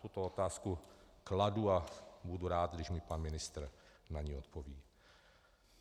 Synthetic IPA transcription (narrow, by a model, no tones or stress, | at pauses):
ut̪oot̪aːskukladuabuduɾaːd̪̚ɡdɪʒmɪpanmɪnɪst̪r̩naɲiːot̪pʰoviː